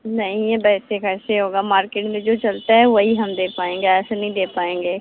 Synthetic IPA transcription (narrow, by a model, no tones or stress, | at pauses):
nɐɦĩɛbɛːsekɛːseɦoːɡaːmaːɾkeːʈmẽd͡ʒoːt͡ʃɐlt̪aɦɛʋoɦiɦəmd̪eːpaːẽːŋɡaɛːsanəɦĩd̪eːpaːẽːŋɡeː